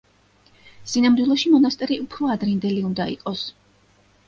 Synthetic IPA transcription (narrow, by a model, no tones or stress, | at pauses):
sinamd̪wilˠɔʃimɔnast̪ʼɛɾiupʰɾɔad̪ɾind̪ɛliund̪aḭqʼɔs